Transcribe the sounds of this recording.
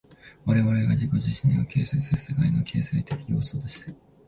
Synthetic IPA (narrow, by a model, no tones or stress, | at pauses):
βaɾe̞βaɾe̞ɡad͡ʑiko̞ʑiɕĩokʰe̞ːsesesekaino̞kʲʰe̞ːseit̪e̞kʲiɲʲoːsoːd̪e̞ɕi̥t̪a